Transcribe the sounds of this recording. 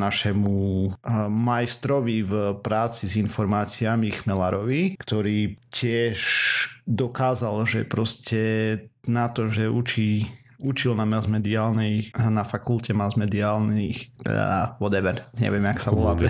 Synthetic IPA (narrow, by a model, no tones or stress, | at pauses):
naʃɛmu | majst̪ɾɔʋivpɾaːt͡sizinfɔɾmaːt͡siamixmɛlaɾɔʋikt̪ɔɾiːcɪɛʃd̪ɔkaːzalʒɛ̰pɾɔscɛnat̪ɔʒɛut͡ʃi | ut͡ʃilnamazmɛd̪iaːlnɛjnafakulcɛmazmɛd̪iaːlnixɛ̰d̰a̰ʋɔd̪ɛbɛɾɲɛ̰ʋɪɛmaksabɔlapɛ